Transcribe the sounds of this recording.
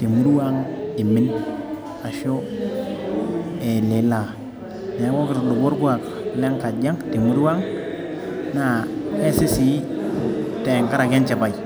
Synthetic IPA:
te˨mu˦ɾwa˦ŋi˨mi˦n | a˨ʃo˦ | e˨le˨˦la˨ | ne˨˦ŋo˦ki˨ɾlu˨wu˦ɾɡu˦a˨k | le˦ŋka˨d͡ʒa˦ŋti˨mu˦ɾwa˦ŋ | na˨e˦si˦si˦ | te˨ŋka˦ɾa˨ke˦nt͡ʃa˨ba˨i˨

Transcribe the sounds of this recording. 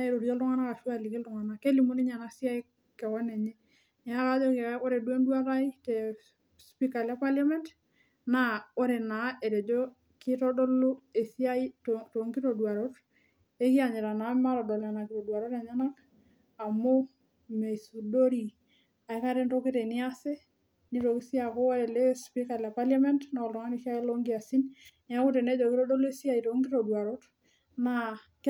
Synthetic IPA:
e˨ɾo˨ɾjo˦lto˦ŋa˦na˦ka˨fu˦a˦˨li˨ke˦ltu˨ŋa˨na˨ke˦li˨mu˦ni˦ɲa˨na˦si˦a˦i˦ | kɛ˨kɔ˦ne˨ɲe˦ | nɛ˨a˦ka˦d͡ʒo˦ke˨˦ko˦ɾe˨dwe˦ndwa˦ɾa˦i˦te˨ | spi˦ka˨lɛ˦pa˦lja˦mɛ˦nt | na˦o˦ɾe˨na˨e˨ɾe˨d͡ʒo˦ | ki˦tɔ˦do˦lu˦e˨si˦a˦i˦tto˨ŋki˦ɾo˨dwa˨ɾo˦ɾ | e˦ki˦a˨ɲe˨ɾa˨na˨˦ma˦ɾɔ˨do˨la˨na˨ki˨ɾo˨dwa˨ɾo˦ɾa˨ɲa˦na˦k | a˨mo˦ | me˨su˨do˦ɾi˨ | a˨e˦ka˦ɾe˦nto˦ki˦te˨nɪ˦a˦se˦ | ni˦ɾo˨ki˦si˦a˨ko˦a˦ɾe˨le˦spi˦ka˨la˨pa˦lja˦mɛ˦ntna˨o˨lto˨ŋa˦ni˨ʃi˦a˦e˦lo˦ŋɡi˦a˨si˦nn˨a˦ku˦te˨ne˦d͡ʒo˨kɪ˦ɾo˦do˦le˦si˦a˦˨i˨to˨ŋɡi˦to˨dwa˨ɾo˦t | na

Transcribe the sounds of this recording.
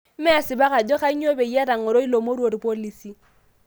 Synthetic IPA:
m̩˦mɪ˦a˨sɪ˨ba˦ka˨d͡ʒo˦χa˦o˦be˨i˦a˦ɾa˨ŋ̩ʊ˨ɾo˦i˦lo˨mo˦ɾu˦o˨ɾi˨po˦li˦si˦

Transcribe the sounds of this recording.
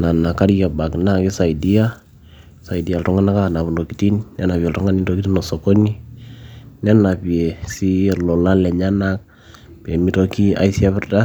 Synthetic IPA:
na˨na˨ka˦ɾi˦ja˨ba˨kna˦kɪ˦sa˨i˨di˦a˦ | sa˨i˨di˨a˨ltɔ˦ŋa˦na˦ka˦˨na˨βu˨ndo˨ki˨ti˦nnɛ˦na˨pi˨ɛ˨ltɔ˦ŋa˦ni˦do˦ki˦ti˦nɔ˨so˨ko˦ni˦ | nɛ˦na˨pi˨e˨si˦lɔ˨la˦lɛ˨ɲa˦na˦k̚ | pɛ˨mi˦to˦ki˦a̰˦isi˦a˦βɛ˦rda˦

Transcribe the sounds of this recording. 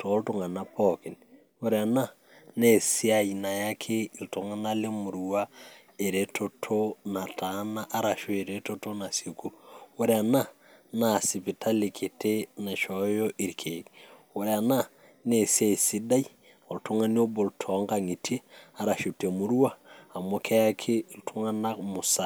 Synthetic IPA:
tʰo˨˦lto˦ŋa˨na˦pɔki˨n | o˦ɾea˨na˦ | ne˦˨si˦a˨i˨na˨ja˦kʰe˦i˨lto˨ŋa˦na˦le˦mʊ˨ɾua˦ | e˨ɾe˦tʰo˨tʰona˨tʰa˦na˦ʔa˦ɾa˨ʃo˦e˨ɾe˦to˦to˦na˨se˨ku˦wo˦ɾea˨na˦ | na˨si˨pi˨tʰa˦le˨kʰi˨tʰe˦na˨ʃɔjɔ˦ʔi˨ɾkʰe˨k | o˨ɾea˨na˦ | ne˨si˦a˦i˨si˦da˦i˦ | o˨lto˦ŋa˦ni˦o˦bo˨ltʰɔ˨˦ŋɡa˨ŋi˨tʰe˦a˨ɾa˨ʃu˨te˨mu˨ɾu˦a˦a˨mo˦kʰɛ˦ja˦kʰe˦˨ltʰo˦ŋa˦na˦mu˨sa˨

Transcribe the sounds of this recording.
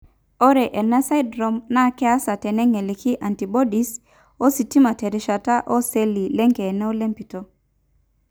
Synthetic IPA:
o˦ɾe˨ʔe˨nɛ˦sa˦jdɾo˨mna˦kɛ˦a˦sa˨tɛ˨nɛ˦ŋe˨li˨ki˦ʔa˨nti˨bo˦di˦s | o˦si˨ti˦ma˨te˨ɾi˨˦ʃa˨ta˦ʔo˦se˦li˨le˦ŋke˨nɛ˦o˦le˦mpi˨to˦

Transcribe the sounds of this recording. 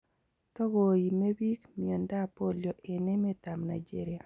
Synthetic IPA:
tɔ˦ɡo˨i˨me˦bi˦kmi˨ɔ˨nda˦˨po˦ljo˨ʔe˨ne˦me˦ta˨mna̰˨jd͡ʒe˦ɾɪja˨

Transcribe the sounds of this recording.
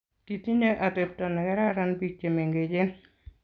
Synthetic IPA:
ti˨ti˦ɲeʔa˨tep̚tɔ˨nɛ˨kɛ˦ɾa˦ɾanpik̚t͡ʃe˨me˨ŋɡe˨d͡ʒɪ˦n

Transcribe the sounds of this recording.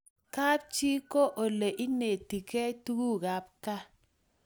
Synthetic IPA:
ka˦p̚t͡ʃi˦ko˦ʔo˨le˨ʔi˦ne˨ti˨ke˦tu˦ɡu˦˨ɣa˦p̚ka˦

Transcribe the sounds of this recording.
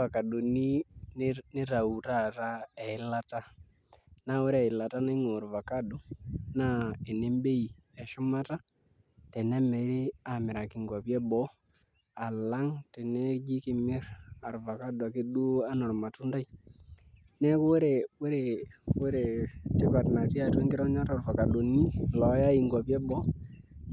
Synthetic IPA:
a˨ka˨du˨ni˦nni˦ɾa˨u˨ɾa˦˨ɾa˦ɛ˨i˦la˦ta˦ | na˦we˦ɾɛ˨i˨la˨ta˦na˦i˦ŋo˨ɾu˨va˨ka˦du˨na˦ɛ˨ne˦mbe˦i˨ | ɛ˨ʃɔ˦ma˦ta˦ | tɛ˨nɛ˦mɛ˨˦ɾi˦a˨mi˨ɾa˨ki˨ŋɡwa˨βjɛ˦bɔ˦ | a˨la˦ŋtɛ˨nɛ˦d͡ʒi˦kɪ˨mɪ˦ɾa˨ɾva˨ka˦du˨a˨ki˦ɗu˦a˦nɔ˨ɾma˨tu˦nda˦i˦ | nɛ˦ku˦wɾe˨we˦ɾe˨we˦ɾe˨tɪ˦pa˨tna˨ti˦a˨twɛ˦ŋɡɪ˦ɾɔ˦ɲa˦tɔ˨ɾva˨ka˨ɗo˨ni˦lɔ˨˦ja˦i˨ŋɡa˨pɛ˦bɔ˦

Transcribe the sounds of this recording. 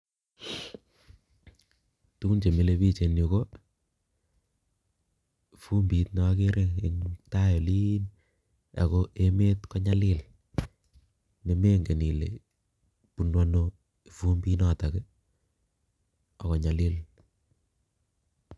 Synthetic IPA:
tu˦ku˦nt͡ʃe˨mi˨le˧pi˦t͡ʃe˨no˨ko˦ | fu˦mbi˨tnɔ˨˦ke˦ɾʔe˦ŋɪ˨ŋta˦jo˨li˦n | a̰˨ko˦ʔe˦me˦tkɔ˦ɲa˦lɪ˦l | ne˨me˦ŋɡe˨ni˨lḛ˨ | pu˨nwa˦no˧˨ | fu˦mbi˦nɔ˦˨ta˨ke˦ | ɔ˨kɔ˨ɲa˨lɪ˦l

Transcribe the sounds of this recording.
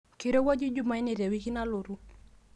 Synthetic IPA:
ki˨ɾo˦wa˦d͡ʒi˦d͡ʒu˦ma˨i˦ni˨ɾe˨wi˦ki˦na˦lo˨ɾu˦

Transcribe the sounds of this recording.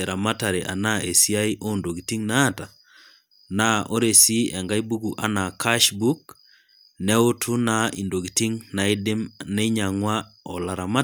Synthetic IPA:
e˨ɾa˨ma˦ta˨ɾe˨ʔa̰˨na˦e˨si˦a˦i˦ʔo˦ndo˨ɡi˨ti˦ŋnaː˦ta˨ | na˦ʔo˦ɾe˨si˦ɛ˨ŋɡa˦i˦bu˦ɡu˨ʔa˨na˨kʰa˦ʃbu˦k̚ | nɛ˦o˦tʰu˦na˨˦i˨ndo˨ki˨ti˦ŋna˨ɪ˦dɪ˦mne˦ɲa˨ŋwa˦ɔ˨la˨ɾa˨ma˦

